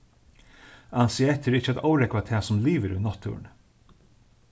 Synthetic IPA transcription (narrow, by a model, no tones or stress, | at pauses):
ɑnsiɛt̪ʰːəɾɪçəɛt̪aʊɾɛkʋat̪ʰɛːsɔmliːʋəɾʉ̰nɑt̪ʰːʉ̰ːɳ